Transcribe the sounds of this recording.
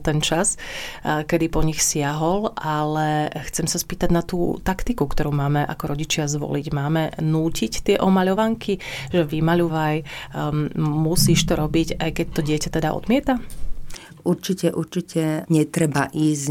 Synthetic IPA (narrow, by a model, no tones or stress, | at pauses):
t̪ɛnt͡ʃas | kɛd̪ipɔɲixsɪaɦɔlʔalɛxt͡sɛmsaspiːt̪aɟnat̪ṵːt̪akt̪ikukt̪ɔɾuːmaːmɛʔa̰kɔɾɔɟit͡ʃɪazʋɔ̰liɟmaːmɛnuːcict̪ɪɛʔɔmaʎɔʋaŋkʰiʒɛʋimaʎuʋaj | musiːʃt̪ɔɾɔbiɟajkɛc̚t̪ɔɟɪɛcat̪ɛd̪aʔɔ̰d̪mɪɛt̪a | uɾt͡ʃicɛʔuɾt͡ʃicɛɲɛt̪ɾɛbaʔiːz